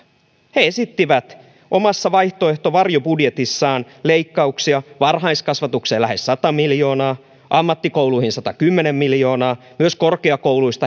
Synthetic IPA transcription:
heesit̪ːiʋæt̪ | ʔomɑsːɑʋɑiht̪oeht̪oʋɑrjobudjet̪isːɑːn | leikːɑuksiɑʋɑrɦɑiskɑsʋɑt̪ukseːlæhessɑt̪ɑmiljo̞ːnɑː | ʔɑmːɑt̪ːikowluihinsɑt̪ɑkymːenemːiljo̞ːnɑː | myøskorkeɑkouluist̪ɑ

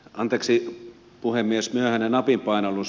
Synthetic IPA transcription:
ʔɑnt̪eːksi | puhemːiesmyøhænenɑpimpɑˑinɑlːus

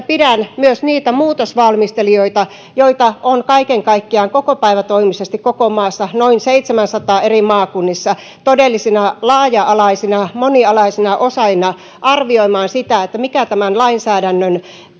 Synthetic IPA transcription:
pidænmyøsniːt̪æmuːt̪osʋɑlmist̪elioit̪ɑ | joit̪ɑʔonkɑikeŋkɑikːiɑːŋkokopæiʋæt̪oimisest̪ikokomɑːsːɑnoinseit̪semænsɑt̪ɑːerimɑːkunːisːɑ | t̪odelːisinɑlɑːjɑɑlɑisinɑmoniɑlɑisinɑʔosɑinɑ | ʔɑrʋioimɑːnsit̪æet̪ːæmikæt̪æmænlɑinsæːdænːøn

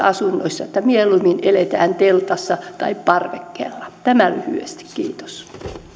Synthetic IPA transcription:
ɑsunːo̰isːɑet̪ːæmieluminelet̪æːnt̪elt̪ɑsːɑt̪ɑippɑrʋekːḛlːɑ̥t̪æmælyhy̰est̪i̥kkiːt̪o̥s

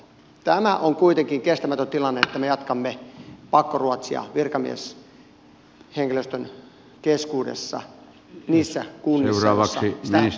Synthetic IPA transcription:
t̪æmæʔoŋkuit̪eŋkiŋkest̪æmæt̪ønt̪ilɑnːeet̪ːæmejɑt̪kɑmːepɑkːoruot̪siɑ̰ʋirkɑmḭḛs | heŋkiløst̪øn | keskuːdḛsːɑ̰ | niːsːækunːiesuɑːʋɑssːɑisitinis

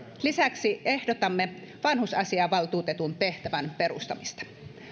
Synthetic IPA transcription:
lisæksie̞hdot̪ɑmːe | ʋɑnhusɑsiɑːʋɑlt̪uːt̪et̪unt̪e̞ht̪æʋænperṵst̪ɑmist̪ɑ̥

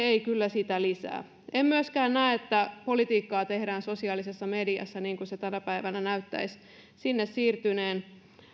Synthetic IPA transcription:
eikylːæsit̪ælisæ̰ː | emmyøskæːnnæːet̪ːæpo̞lit̪iːkːɑːt̪e̞hdæːnso̞siɑːlisesːɑmediɑ̰sːɑniːŋkuset̪ænæpæiʋænænæyt̪ːæ̰is | sinːessiːrt̪yneːn

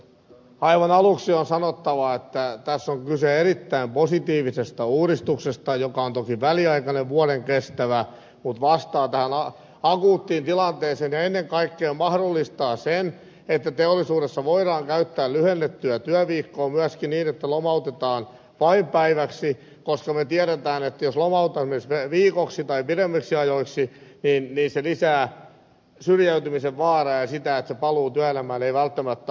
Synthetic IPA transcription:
ɑiʋɑnɑluksionsɑnot̪ːɑʋɑet̪ːæt̪æsːoŋkyseerit̪ːæimposit̪iːʋisest̪æuːɾist̪uksest̪ɑjokɑont̪okiʋæliɑikɑneʋʋuoɾeŋkest̪æʋæ | mut̪ʋɑst̪ɑːt̪æhænɑ | ɑkuːt̪ːiːnt̪ilɑnt̪eːseːnjɑenːeŋkɑikːeːmmɑhdolːist̪ɑːsen | et̪ːæt̪eolːisuːɾesːɑʋoiɾɑːŋkæyt̪ːæːllyhenːet̪ːyæt̪yæʋiːkːoːmyæskiniːnet̪ːælomɑut̪et̪ɑːn | ʋɑimpæiʋæksi | koskɑmet̪iæɾet̪æːnet̪ːæjoslomɑut̪ːɑsmesʋeʋiːkoksit̪ɑipiɾemːiksiɑjoiksiniːnniːnselisæː | syrjæyt̪ymiseʋʋɑːrɑːjjɑsit̪æet̪sepɑluːt̪yæelæmæːneiʋælt̪ːæmæt̪ː

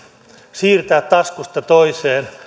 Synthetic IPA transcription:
siːrt̪æːt̪t̪ɑskust̪ɑt̪oiseːn

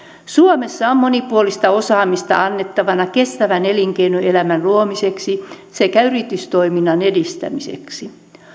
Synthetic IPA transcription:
suomesːɑommonipuolist̪ɑo̞sɑːmist̪ɑ̰ɑnːet̪ːɑʋɑnɑke̞st̪æʋæneliŋkeinuelæmænluomiseksi | sekæyrit̪yst̪oiminːɑnedist̪æ̰misḛksi

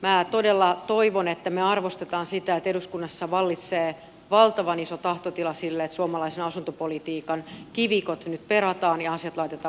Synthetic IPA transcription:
mæːt̪odelːɑt̪oiʋonet̪ːæmeɑrʋost̪et̪ɑːnsit̪æet̪eduskunːɑsːɑʋɑlːit̪seː | ʋɑlt̪ɑʋɑnisot̪ɑht̪ot̪ilɑsilːeet̪suomɑlɑisenɑsunt̪opolit̪iːkɑnkiʋikot̪nyt̪peɾɑt̪ɑːnjɑɑsjɑt̪lɑit̪et̪ɑː

